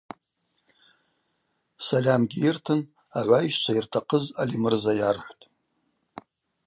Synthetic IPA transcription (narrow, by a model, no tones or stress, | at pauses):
salʲamɡʲiirtʰɨn | aʕʷaiʃt͡ʃʷʰairtʰaqʰəzalimɨrzajarħʷtʼ